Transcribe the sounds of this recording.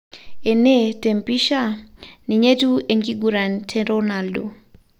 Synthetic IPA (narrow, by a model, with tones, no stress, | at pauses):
e˨ne˦te˨mpi˦ʃa˦ni˨ɲe˦tu˦e˨ŋɡi˦ɡuɾa˨ntʰɛɾonaldo˨